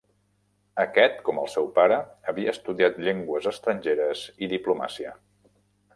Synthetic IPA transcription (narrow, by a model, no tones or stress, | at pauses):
əkɛt̪kɔməlˠsɛwpaɾəːβiəːst̪uðiat̪ʎeŋɡwəzəst̪ɾənɲʲʒeɾəz̥iðipluma̰siə